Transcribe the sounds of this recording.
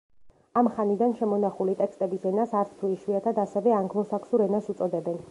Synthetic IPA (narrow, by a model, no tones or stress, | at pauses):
amχanid̪anʃɛmɔnaχulit̪ʼɛkst̪ʼɛbisɛnasaɾt̪sʰt̪ʰuiʃwiat̪ʰad̪asɛvɛaŋɡlˠɔsakʰsuɾɛnasut̪sʼɔd̪ɛbɛn